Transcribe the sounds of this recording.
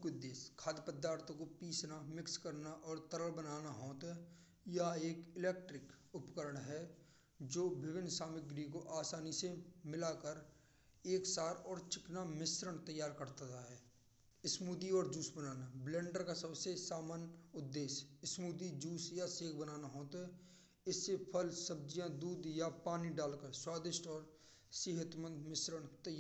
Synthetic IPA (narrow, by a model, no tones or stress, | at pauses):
kʊd̪ːeːskʰaːd̪pəd̪aːɾt̪ʰəkopiːsnamɪkskəɾnaʔɔːɾt̪əɾəlbənaːnaɦɔ̃ːt̪ɦɛ | jaeːkɪleːk̚ʈɾɪkʊpkəɾəɽ̃ɦɛ | d͡ʒoːbɪʋɪnsaːmɪk̚ɡɾiːkoʔaːsaːnisemɪlaːkəɾ | eːksaːɾɔːɾt͡ʃɪknamɪsɾəɳt̪əjːaːɾkəɾt̪ət̪aɦɛː | ɪsmuːd̪iɔːɾd͡ʒuːsbənaːnablɛ̃ːɳɖəɾkasəbsesaːmaːnʊd̪ːeːsɪsmuːd̪id͡ʒuːsjaseːɡbənaːnaɦoːt̪ɦɛ | ɪsːepʰəlsəb̚d͡ʒijãd̪uːd̪japaːniɖaːlkəɾswaːd̪ɪʃʈɔːɾ | sɪɦət̪mə̃nd̪mɪsɾəɽt̪əjːaː